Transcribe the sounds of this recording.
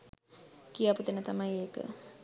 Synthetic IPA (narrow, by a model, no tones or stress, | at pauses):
kijaput̪enət̪amajeːkə̰